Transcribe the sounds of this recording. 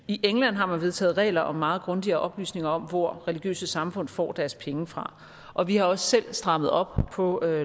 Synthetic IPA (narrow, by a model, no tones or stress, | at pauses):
iʔeŋlæn̰ɦɑ̈mænʋe̝ðˠt͡sʰɛ̰ːð̩ˠʁɛ̰ːlɐʔɒ̽mːɑ̈ːð̞̩ˠɡ̥ʁɔ̽nd̥iɐːʔɒ̽b̥ly̰ːsne̝ŋɐɒ̽mʋɒ̰ʁɛliɡ̥jø̰ːsəsɑ̈mfɔ̽n̰fɒ̰ːd̥æɐspʰeŋəfʁɑ̈ | ʔɒ̽ʋihɑ̈ɒ̽sːel̰sd̥ʁɑ̈mð̞̩ˠɒ̽b̥̚pʰɒ̽ø